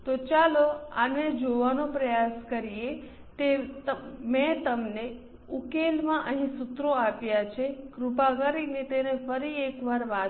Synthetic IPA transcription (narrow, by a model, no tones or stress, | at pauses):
t̪ot͡ʃaloa̰ned͡ʒoʋanopɾəjaskəɾije | t̪et̪əmɛ̃t̪əmne | ukelmãʔəɦĩsʊt̪ɾoapjat͡ʃʰekɾupakəɾinet̪enefəɾiekʋaɾʋa